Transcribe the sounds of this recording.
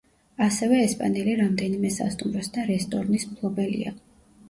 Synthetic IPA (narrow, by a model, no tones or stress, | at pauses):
asɛvɛːspʼa̰nɛliɾamd̪ɛnimɛsa̰st̪ʼumɾɔsd̪aɾɛst̪ʼɔɾnismpʰlˠɔbɛlḭa̰